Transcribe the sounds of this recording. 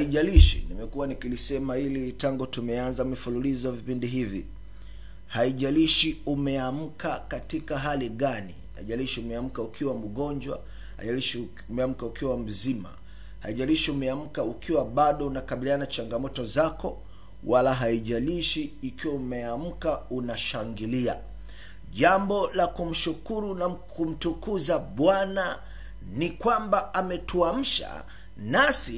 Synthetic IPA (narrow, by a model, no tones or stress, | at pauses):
haiʄaliʃḭnimɛkuwanikilisɛmailitaŋɡutumɛanzamɛfululizɔavipindiɦivḭ | haiʄaliʃiumɛam̩kakatikaɦaliɠanḭha̰iʄaliʃiumɛam̩kaukʰiwam̩ɠɔnd͡ʒwa̰ | ha̰ʄaliʃi | umɛam̩kaukiwam̩zima̰ | haiʄaliʃiumɛam̩kaukʰiwaɓaɗɔunakaɓilianat͡ʃaŋɡamɔtɔzakɔ | wʔalaɦaiʄaliʃiːkiwaumɛam̩kaunaʃaŋɡilia̰ | ʄambɔlakum̩ʃukuɾunakʰum̩tukuzaɓwana | nikwambaːmɛtuam̩ʃa̰ | nasi